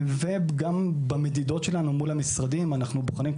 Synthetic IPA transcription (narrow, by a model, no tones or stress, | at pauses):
veɡambame̞d̪id̪o̞tʃe̞lanumulhamisʁad̪imanaχnubuχanim